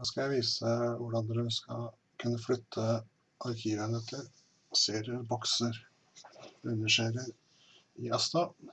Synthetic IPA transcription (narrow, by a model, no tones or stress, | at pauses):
oːskɑjæɪʋiːsəʋʊɖɑnd̪ɾʉnskɑ̰ | kʰʉnːəflʏt̪ʰːə | ʔɑɾkʰiːʋənət̪ʰɪɾ | seːɾɪəɾbɔksəɾ | ʉnːəʂeːɾɪəɾ | ɪɑst̪ɑ